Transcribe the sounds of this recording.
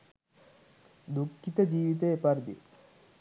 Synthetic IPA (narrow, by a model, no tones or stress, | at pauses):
d̪ukʰːit̪əd͡ʑiːʋit̪̬eepɐɾd̪ḭ